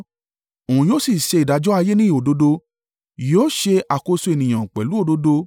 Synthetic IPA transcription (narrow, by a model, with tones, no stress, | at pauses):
o˨ũ˨joː˦si˦˨ʃe˧i˨da˨˦d͡ʒɔ˦a˧je˦nĩ˦i˨o˨do˧do˧ | joː˦ʃe˧ʔa˨ko˧su˧e˧˨nĩ˨j̃ã˨k͡pɛ˨lu˨˦o˦˨do˧˦do˧